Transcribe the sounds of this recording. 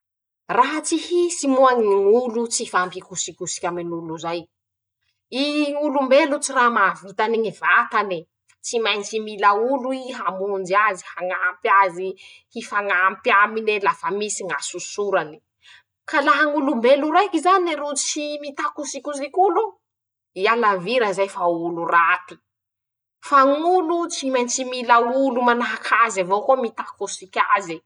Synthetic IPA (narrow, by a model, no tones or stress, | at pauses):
raɦat͡sihisimuaŋnŋulut͡sifampikusikusi̥kʲaminuluzaj | iŋulumbelut͡siramavit̪aniŋivat̪ani | t͡simajnt͡ʃimilauluiɦamund͡ʒiazihaŋampjazi | hifaŋampjaminelafamisiŋasusuɾani̥ | kalaɦaŋulumbeluɾajkizaneɾut͡simit̪akusikʲuzikulu | ialaviɾəzajfaulurat̪i̥ | faŋulut͡simajnt͡similaulumanaɦakʰazavokomit̪akusikʲazi